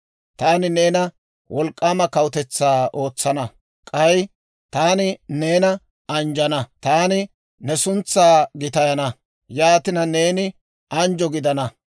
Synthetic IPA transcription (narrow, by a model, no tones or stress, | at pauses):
t̪aːnɪne̞ːnɐ | wʔɔlkʼːaːmɐkɐwʊt̪ɛt͡sːaːʔo̞ːt͡sːɐnɐ | kʼɐj | t̪aːnɪne̞ːnɐ | ɐnd͡ʒɐnɐt̪aːnɪ | nɛsʊnt͡sːaːɡɪt̪ɐjɐnɐ | jaːt̪ɪnɐne̞ːnɪ | ɐnd͡ʒɔɡɪd̪ɐnɐ